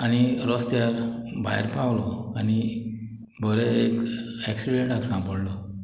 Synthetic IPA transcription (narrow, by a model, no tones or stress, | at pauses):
añiɾɔst̪jabʱa̰jɾpawlɔani | bʱəɾɛekɛksiɽẽɳʈaksãmpəɽlɔ